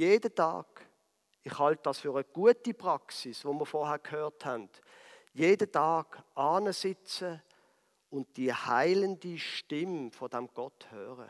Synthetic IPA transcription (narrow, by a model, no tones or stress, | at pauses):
jeːdətɑ̰ːɡ̥ | ɪχhɑlt̚d̥ɑːsfyːʁəɡ̥uətipʁɑksisvomiːɐfɔhæːkʰhœːthænd | jeːdətɑːɡ̥ɑːnəsɪt͡sə | ʊnd̚d̥ihaɪləndiʃtɪmfɔd̥æmɡ̥ɔthøːʁə̰